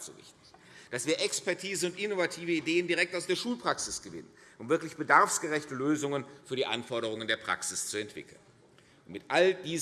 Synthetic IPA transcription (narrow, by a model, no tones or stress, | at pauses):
z̥o̰vɪ̰çtɪ̥ç | d̥asv̥iːɐʔɛkspɛɐtʰiːzəʊntʔɪnovatʰiːvəideːəndiʁɛk̚taʊsd̥eːɐʃuːlpʁ̥aksɪsɡ̥əvɪ̰nənʔʊmvɪɐklɪçb̥ədaɐfsɡ̥əʁɛçtəløːzʊŋənfyːɐdiːʔa̰nfɔɐɾəʁ̞ʊŋəndeːɐpʁ̥a̰ksɪst͡suɛntv̥ɪ̰kl̩n | ʊnmɪtʔald̥iːz